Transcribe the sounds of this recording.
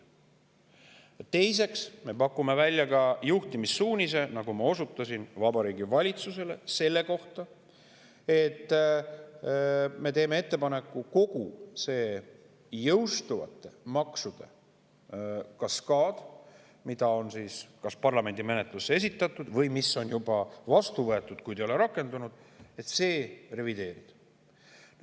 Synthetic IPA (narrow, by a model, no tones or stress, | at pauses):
t̪e̞js̬e̞ksme̞pɑkːˑume̞vælʲjɑkɑjuht̪imisːuːnʲise̞nɑɡ̥umɑo̞sut̪ːˑɑsinvɑbɑɾiːɡivɑlʲit̪suse̞le̞se̞lːe̞ko̞ht̪ɑ | e̞t̪ːˑ | me̞t̪e̞ːme̞e̞t̪ˑːe̞pɑne̞kːˑuko̞ɡ̥use̞ː | jɤwst̪uvɑ̰t̪ːˑe̞mɑksud̪̥e̞̰ | kɑskɑːd̪̥ | mid̪̥ɑo̞nsiːskɑspɑrlɑme̞nʲd̪ime̞net̪ˑlusːee̞s̬it̪ˑːɑt̪ːˑud̪̥vɤjmisːo̞njubɑvɑst̪uvɤ̞e̞t̪ːˑud̪̥kujd̪ejo̞leɾɑkːˑe̞nd̪̥unud̪̥e̞t̪se̞ːre̞vid̪e̞ːɾḭd̥̪ | n